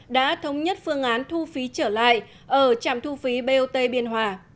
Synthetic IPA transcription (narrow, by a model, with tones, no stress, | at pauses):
ɗa̰ː˧˥t̪ʰə˨˦wŋ͡mɲə˦˥t̚fɨ˧əŋʔaː˨˦nt̪ʰu˧fi˨˦t͡ɕəː˧˩la̰ː˧˨j | ʔəː˧˩t͡ɕa̰ː˧˨mt̪ʰu˧fi˨˦ɓe˧ʔo˧t̪e˧ɓi˧ənɦwaː˧˩